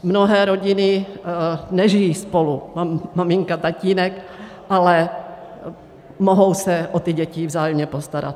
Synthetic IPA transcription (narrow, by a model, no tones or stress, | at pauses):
mnoɦɛːɾo̞ɟɪnɪ | nɛʒɪjiːspo̞lumamamɪŋkat̪aciːnɛk | ʔalɛ | moɦo̞wsɛʔot̪ɪɟɛcɪvzaːjɛmɲɛpo̞st̪aɾa̰t̪̚